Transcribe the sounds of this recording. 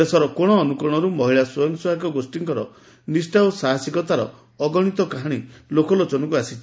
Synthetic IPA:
esɔɾɔkɔɽ̃ɔːnukɔɽ̃ɔɾumɔɦiɭasɔjɔŋswɔɦakɔɡosʈiŋkɔɾɔ | nisʈawsaɦasikɔt̪aɾɔ̰ː | ɡɔɽ̃it̪ɔkaɦaɽ̃ilokɔlot͡ʃɔnɔkuasit͡ʃʰi

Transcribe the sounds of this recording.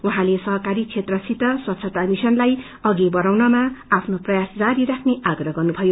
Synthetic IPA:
uɦãlesʌɦʌkaɾit͡sʰet̪rʌsit̪ʌsʌt̪sʰʌt̪amisʌnlaj | ʌɡibʌɾawnʌmaapʰnoprʌjasd͡zaɾiɾakʰneaɡrʌɡʌrnubʱʌjo

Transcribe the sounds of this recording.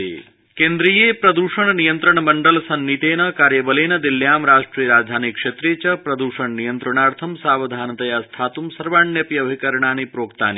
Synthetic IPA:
keːnd̪ɾijeːpɾɐd̪uːʂɐɳnijɐnt̪ɾɐɳɐmɐɳɖɐlsɐnmit̪eːnɐkaːɾjɐbɐleːnɐd̪iljaːmɾaːʂʈɾiːjɐɾaːd͡ʒd̪ʱaːnikʂet̪ɾeːt͡ʃɐpɾɐd̪uːʂɐɳnijɐnt̪ɾɐɳaːɾt̪ʰɐmsaːʋɐd̪ʱaːnɐt̪ɐjaːst̪ʰaːt̪umsɐɾʋaːɳjɐpjɐbʱikɐɾɳaːnipɾoːkt̪a̰ːni

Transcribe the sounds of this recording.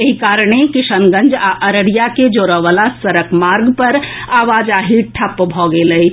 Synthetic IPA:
eɦikaɾəɽ̃ekisənɡə̃nd͡ʒaʔəɾəɽijaked͡ʒoɾəʋalasəɾəkmaɾɡpəɾaʋad͡ʒaɦiʈʰəpːbʱɔɡeləj

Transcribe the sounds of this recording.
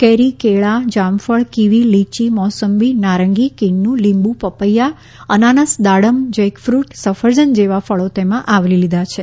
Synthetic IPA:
kɛɾikeɭad͡ʒamfəɭkiʋilit͡ʃimɔsəmbinaɾəŋɡikiɳːũlimbũpəpəjːa | ənanəsd̪aɽəmd͡ʒəjkfɾuʈsəfəɾd͡ʒənd͡ʒeʋafəɭot̪emãʔaʋlilid̪ʱat͡ʃʰe

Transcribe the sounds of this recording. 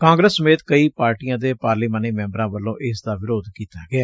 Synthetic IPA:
kãːŋɡɾəsːəmeːt̪kəiːpaːɾʈiːãːd̪eːpaːɾliːmaːniːmɛ̃ːmbəɾãːʋəlːõːʔɪsd̪aːʋɪɾoːd̪kiːt̪aːɡɪaː

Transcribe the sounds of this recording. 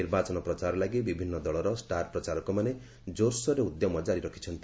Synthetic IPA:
iɾbat͡ʃɔnɔpɾɔt͡ʃaɾɔlaɡibibʱinːɔd̪ɔɭɔɾɔsʈaɾpɾɔt͡ʃaɾɔkumane | d͡ʒoɾsɔɾeud̪jɔmɔd͡ʒaɾiɾɔkʰi̥t͡ʃʰɔnt̪i

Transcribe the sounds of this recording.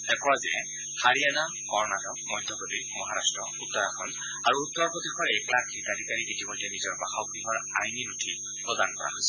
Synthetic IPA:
ɛkɔwazɛ̰ | haɹijana | kɔɹnatɔkmɔjdʱjɔpɹɔtimɔɦaɹastɹɔut̪ːɔɹakʰɔn | aɹuːtːɔɹpɔd̪ikɔɹɛklakʰːitadʱikaɹiketimɔjdːɛnizɔɹbaxakɹiɦɔɹajninutʰi | pɹɔdankɔɹa̰ɦojsɛ

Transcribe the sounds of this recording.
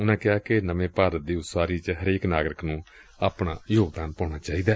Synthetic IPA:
ʊnãːkɪaːkɪnəʋẽːpaːɾət̪̚d̪iːʊt̪saːɾiːt͡ʃɦəɾeːknaːɡɾɪknũː | aːpɳaːjoːɡd̪aːnpɔːɳ̃aːt͡ʃaːiːd̪aː

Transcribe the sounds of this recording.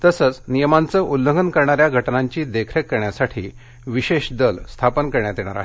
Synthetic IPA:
t̪əsət͡snijəmant͡səʔulːəŋɡənkəɾɳaɾjaɡʱəʈnãɲt͡ɕiːd̪ekʰɾəkːəɾɳjasaʈʰiː | ʋiɕeɕd̪əlst̪ʰapənkəɾɳjat̪eɽ̃aɾa̰ɦee

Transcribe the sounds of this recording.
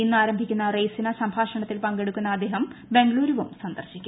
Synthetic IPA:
inːɨaːɾɐmbʱikʲːunːɐrejsinɐsɐmbʱaːʂɐɳɐt̪ːilpɐŋɡe̞ɽukʲːunːɐːd̪ːeːɦɐmbe̞ŋɡɭuːɾuʋumsɐnd̪ɐrɕikʲːu

